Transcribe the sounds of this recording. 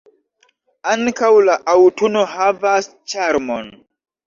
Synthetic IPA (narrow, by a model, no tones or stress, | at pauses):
aŋkawlaʔawtunohavas | t͡ʃaɾmon